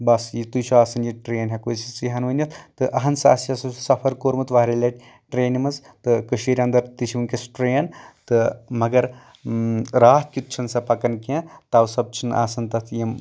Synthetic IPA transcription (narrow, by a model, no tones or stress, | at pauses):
bɐsjit̪ujʃʰuaːsɐnjiʈɾeːnɦʲɐkoːjsit͡siɦɐnʋɐnʲjɐt̪ʰt̪ɨʔɐɦɐnsa̰ːsiɐsɐsɐpʰɐɾkoːɾmɨt̪ʋaːɾelʲɐʈʲ | ʈɾeːnimɐz | t̪ɨkɨʃiɾʲɐnd̪ɐɾt̪iʃiʋɨnkʲɐsʈɾeːnt̪ɨmɐɡɐɾ | ɾaːt̪̚ʰkʲut̪̚t͡ʃʰɐnsɐpɐkɐnkʲẽːt̪aːʋsɐb̚t͡ʃʰinʔa̰ːsɐnt̪ɐt̪ʰjim